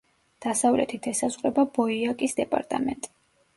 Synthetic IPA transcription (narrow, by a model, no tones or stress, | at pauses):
d̪̥asavlɛ̰t̪ʰit̪ʰɛsasχʼɾɛbabɔiakʼisd̪ɛpʼa̰ɾt̪ʼa̰mɛ̰nt̪ʼi̥